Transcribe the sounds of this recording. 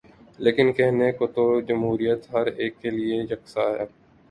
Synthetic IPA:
leːkɪnkɛɦnekot̪od͡ʒɐmɦuːɾijət̪ɦɐɾeːkːelieɾɐksaɦɛ̰ː

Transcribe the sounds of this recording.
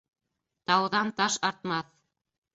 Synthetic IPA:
t̪ɑwðɑnt̪ɑʃɑɾt̪mɑθ

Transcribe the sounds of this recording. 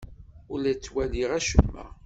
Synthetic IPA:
ʊlæt͡sːwæliʁæʃəmːæ̰

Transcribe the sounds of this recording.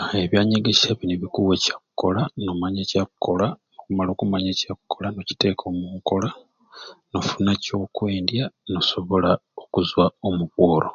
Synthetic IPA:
eβjaːɲeɡeʃaβineβikuwecakuko̞lanomaɲecakukːo̞lanokumalo̞ːkumaɲeːcakukːolano̞ci̥te̞kʰo̞ːmuːŋko̞la | no̞funaco̞kweːndjano̞so̞βo̞laokuzwaomuβwo̞ːlo̞̰

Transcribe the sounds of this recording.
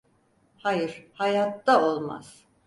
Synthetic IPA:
hajɯɾ̥hajat̪ːaolˠma̰z̥

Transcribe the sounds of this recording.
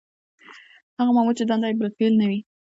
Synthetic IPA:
haɣamamut͡ʃed̪and̪ajbəlfelnawi

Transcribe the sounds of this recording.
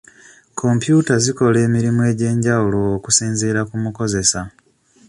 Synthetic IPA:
kʰo̞mpjuːtaziko̞le̞ːmiɾimue̞ːɟe̞ːɲɟawulo̞ːku̥siːnzeːɾakumuko̞ze̞sa

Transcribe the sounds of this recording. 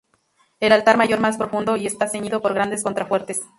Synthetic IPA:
e̞lalt̪aɾmaʝo̞ɾmaspɾo̞fũnd̪o̞ie̞st̪ase̞ɲiðo̞po̞ɾɣɾand̪e̞sko̞nt̪ɾafwe̞ɾt̪es

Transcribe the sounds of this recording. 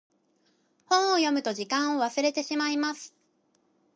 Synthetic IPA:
hõ̞ɰ̃ojo̞mɯ̟t̪o̞ʑikãɰ̃o̞β̞asɨɾe̞t̪e̞ɕimaimasɨ̥

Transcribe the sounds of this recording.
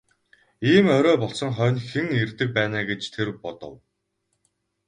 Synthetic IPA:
iːmœɾœːpɔɮsɞ̆ŋχœːnxĕŋert̪ɘ̆k̚pæːnaːɡet͡ɕt̪ʰerpɔt̪ɞ̰̆w

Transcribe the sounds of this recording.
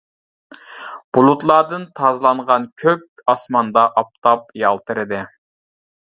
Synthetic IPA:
b̥ulˠut̪lˠɑːd̪ɨnt̪ʰɑzlˠɑɴʁɑnkʲʰøk̚ʲɑsmɑnd̪ɑʔɑp̚t̪ʰɑp̚jɑlˠt̪ʰɨɾɨd̪ɪ

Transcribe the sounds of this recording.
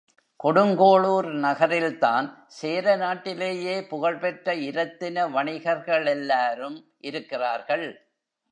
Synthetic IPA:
kɔɽɯŋɡoːɭuːɾnɐɣɐɾɪlt̪aːnseːɾɐnaːʈːɪleːjeːpʊɣɐɭpɛʈrɐɪɾɐt̪ːɪnɐʋɐɳɪɣɐɾɣɐɭɛlːaːɾɯm | ʔɪɾɯkːɪraːɾɣɐɭ

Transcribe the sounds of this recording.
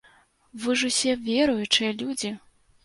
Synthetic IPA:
vɨʐusʲɛvʲɛɾujut͡ʂɨjɐlʲud͡zʲi

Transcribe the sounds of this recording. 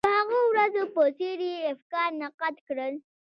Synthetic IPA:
əhaɣowɾazopəseɾiɪfkɑɾnaqat̪kɽəl

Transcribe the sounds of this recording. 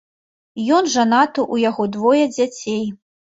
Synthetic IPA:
jɔnʐanat̪uʔujaɣɔd̪vɔjɐd͡zʲat͡sʲej

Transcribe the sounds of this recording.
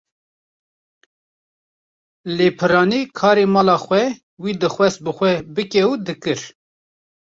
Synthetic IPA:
leːpʰɨɾɑːniːkʰɑːɾemɑːlɑːxʷɛ | wiːd̪ɨxwɛst̪̚bɨxʷɛbɨkɛud̪ɨkɨɾ

